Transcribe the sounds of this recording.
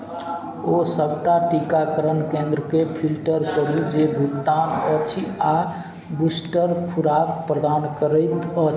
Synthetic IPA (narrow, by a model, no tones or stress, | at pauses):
osəbʱʈaʈikakəɾənkẽnd̪ɾəkepʰilʈəɾkəɾud͡ʒebʱut̪ːanət͡ʃʰia | busʈəɾkʰuɾakpɾəd̪ankəɾət̪ət͡ʃʰ